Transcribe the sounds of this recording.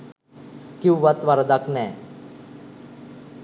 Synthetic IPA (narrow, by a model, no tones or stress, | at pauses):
kiwʋat̪ʋaɾəd̪aknɛː